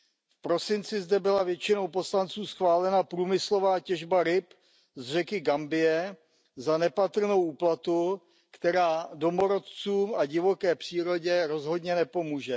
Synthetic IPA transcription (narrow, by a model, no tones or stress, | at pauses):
fpɾo̞sɪnt͡sɪzdɛbɪlavjɛt͡ʃɪno̞wpo̞slant͡suːsxvaːlɛnapɾuːmɪslo̞vaːcɛʒbaɾɪp | zr̝ɛkɪɡambɪjɛ | zanɛpat̪r̩no̞wʔuːplat̪u | kt̪ɛɾaːdo̞mo̞ɾo̞t̪t͡suːmʔaɟɪvo̞kɛːpr̝̥iːɾo̞ɟɛɾo̞zɦo̞dɲɛnɛpo̞muːʒɛ